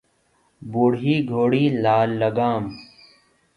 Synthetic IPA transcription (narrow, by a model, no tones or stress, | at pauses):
buɽɦiːɡʱoːɽiːlaːlːɐɡaːm